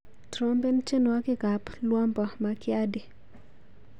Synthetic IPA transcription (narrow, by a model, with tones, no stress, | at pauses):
tɾɔ˦mbe˦nt͡ʃe˦nwa˦kɪ˦˨ka˨plwɔ˦mbɔ˨makɪa˦di˨